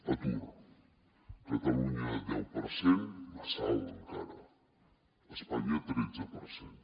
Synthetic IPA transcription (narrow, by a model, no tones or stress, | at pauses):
at̪uɾa | kat̪aluɲad̪ɛwpəɾsenmasawt̪əŋkaɾa | əspaɲat̪ɾed͡zəpəɾsen